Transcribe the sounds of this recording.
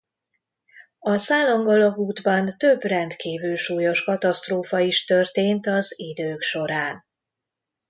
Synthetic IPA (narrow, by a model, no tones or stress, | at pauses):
ɒsaːloŋɡɒlɒkuːd̪bɒnt̪ø̞brɛnt̪kiːvylʃuːjo̞ʃkɒt̪ɒst̪roːfɒiʃt̪ørt̪eːnt̪ɒzid̪øːkʃo̞ɾaːn